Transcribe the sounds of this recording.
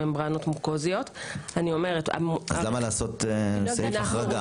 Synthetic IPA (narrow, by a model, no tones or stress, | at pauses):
embʁano̞tmuʁkozijo̞tanio̞me̞ʁeta̰azlamalaːsotsaifaʁaɡa